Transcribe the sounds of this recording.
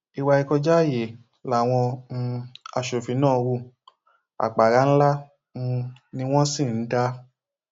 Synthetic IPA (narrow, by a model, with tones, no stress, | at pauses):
i˨˧wa˧i˧kɔ˧d͡ʒa˦˨je˨ | la˨w̃ɔ̃˧ | a˧˨ʃo˨fi˨˦nãː˦˨˧wu˧˨ | a̰˨k͡pa˨ɾa˧˦n̩˦la˦˧ | nĩ˦w̃ɔ̃˦sĩ˦˨n̩˦da˧˦